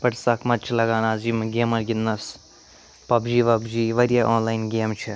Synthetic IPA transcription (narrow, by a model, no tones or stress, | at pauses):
pɐʈsɐkʰmɐt̪ːt͡ʃʰilɐɡaːnaːzimɡeːmɐɾɡʲinːɐs | pɐbd͡ʒiːʋɐbd͡ʒiːʋɐɾjaʔoːnlaːjnɡeːmt͡ʃʰi